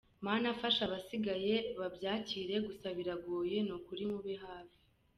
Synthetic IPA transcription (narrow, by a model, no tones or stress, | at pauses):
maːnafaʃaβasiɡaje̞βabjaːciːɾe̞ɡusaβiɾaɡoːje̞nokuɾimuβiɦaːvi̥